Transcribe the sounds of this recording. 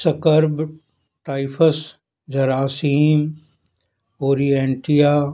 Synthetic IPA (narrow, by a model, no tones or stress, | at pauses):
sɐkəɾb | ʈaːɪpʰəs | d͡ʒɐɾaːsiːm | oːɾieːɳʈijaː